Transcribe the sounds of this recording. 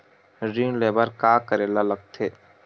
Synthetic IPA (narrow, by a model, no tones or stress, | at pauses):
ɾiːnleːbəɾkaːkəɾeːlaləɡ̚t̪ʰeː